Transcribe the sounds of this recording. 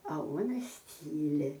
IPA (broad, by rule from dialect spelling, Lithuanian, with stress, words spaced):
ɐ ˈuɔnɐs ˈtʲiːlʲɪ